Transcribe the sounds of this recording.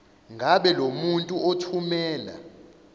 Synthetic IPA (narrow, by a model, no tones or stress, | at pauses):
ŋʱaɓɛlomuntʼuotʰumɛːla̰